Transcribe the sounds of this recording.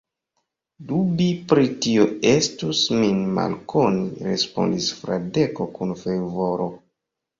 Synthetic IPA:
dubipɾitioe̞stusminma̰lkʰo̞niɾe̞spo̞̰ndisfɾade̞ko̞kunfeɾvo̞ɾo̞

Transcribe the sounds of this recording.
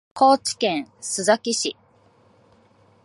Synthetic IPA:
kʰo̞ːt͡ɕi̥kẽɰ̃sɨzakʲiɕi

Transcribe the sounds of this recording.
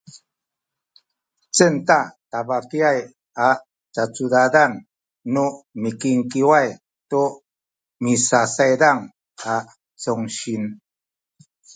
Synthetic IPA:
t͡səntatabakiaj | a | t͡stat͡sudadanː | umikiŋkiwaj | tu | misasajɾaŋ | a | t͡soŋɕin

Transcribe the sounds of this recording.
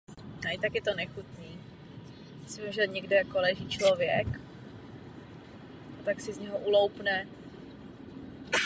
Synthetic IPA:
naɪt̪akjɛt̪onɛxut̪niː | sɪmɪmʒɛɲɛɡdɛjakolɛʒiːt͡ʃlovjɛk | ʔat̪aksɪzɲɛɦoʔulowpnɛ

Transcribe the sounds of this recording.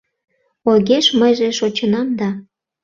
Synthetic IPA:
ojɣeʃməjʒeʃot͡ɕənɑmd̪ɑ

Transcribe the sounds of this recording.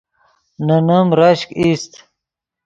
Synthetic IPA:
nɐnɐmɾaɕkist̪

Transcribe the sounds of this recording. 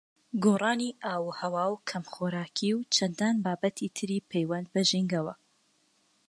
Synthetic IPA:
ɡoːrˤɑːniʔaːwuhɐwaːwkʰɐmχoːɾaːkʰiwt͡ʃʰɐnd̪aːnbaːbɐt̪ʰit̪ʰɨɾiːpʰejwɐnd̪̚bɐʒiŋɡɐwɐ

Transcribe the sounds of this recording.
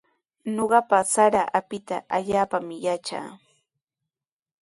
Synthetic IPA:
noɢɑpasaɾaʔapɪt̪a̰aʎaːpamɪjat͡ʃa̰ː

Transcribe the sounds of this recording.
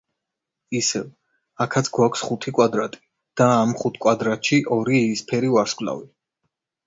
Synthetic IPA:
isɛv | akʰat̪sʰɡwakʰsχut̪ʰikʼwad̪ɾat̪ʼi̥ | d̪̥aːmχut̪ʰkʼwad̪ɾat̪ʰʃiʔɔɾispʰɛɾivaɾskʼla̰vi

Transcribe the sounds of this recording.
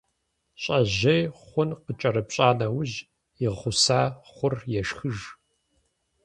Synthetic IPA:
ɕʼɐʑɐjχʷʊnqət͡ʃʼɐɾɨpɕʼaːnɐwʊʑ | ɪʁχʷʊsaːχʷʊrjɛʃxɨʒ

